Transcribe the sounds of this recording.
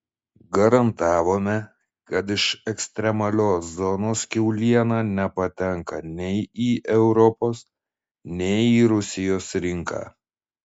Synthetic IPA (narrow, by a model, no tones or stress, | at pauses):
ɡɐɾɐnt̪ɑːʋoːmʲɛ | kɐt̪̬ɪʃɛksʲt̪ʲɾʲɛmɐlʲoːszɔnoːskʲɛʊlʲiɛnɑːnʲɛpɐt̪ʲɛŋkɐnʲɛɪiːʔɛʊɾɔpoːs | nʲɛɪiːɾʊsʲɪjoːsɾʲɪŋkɑ̰ː